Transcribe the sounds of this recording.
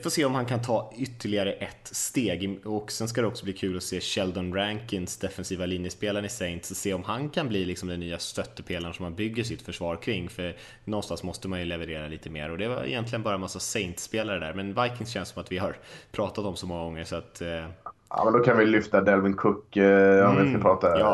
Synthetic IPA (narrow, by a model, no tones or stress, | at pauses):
foːseːɔmhankʰant̪ʰɑːʏt̪ːəɭɪɡaɾəʔɛt̪ːst̪eːɡɔksɛnskad̪ɛɔksɔbliːkʰʉ̟ːlɔseːɕɛld̪ɔnɾæŋkɪnsd̪ɛfɛnsiːvalɪnjəspeːlaɾəɪsɛɪnt̪sɔseːɔmɦankʰanbliːlɪksɔmd̪ɛnːyːast̪œt̪ːəpʰeːlaɾʂɔmhanbʏɡːəʂ̬ɪt̪fœʂvɑːɾkʰɾɪŋːfœɾ | nɔnst̪ansmɔst̪əmanjɵlɛvəɾeːɾaliːt̪əmḛːɾɔd̪ɛva̰ɪ̰jɛnt̪lɪɡənbɑːɾamasːasɛɪnt̪speːlaɾəd̪æ̰ɾmɛnvajkɪŋsɕɛnssɔmat̪vɪɦaɾpʰɾɑːt̪at̪ɔmsɔmɔŋːaɡɔŋːəʂɔat̪ | ɑ̰ːmɛnd̪ɔkʰanvɪlʏft̪ad̪ɛlvɪnkʰɵkːəɔvɪkapɾɑːt̪ajɑ